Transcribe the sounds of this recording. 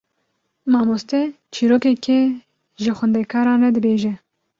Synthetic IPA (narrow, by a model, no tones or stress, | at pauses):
mɑːmost̪ɛ | t͡ʃʰiːɾoːkɛkʰɛ | ʒɨxʷɛnd̪ɛkʰɑːɾɑːnrɛd̪ɨbeːʒɛ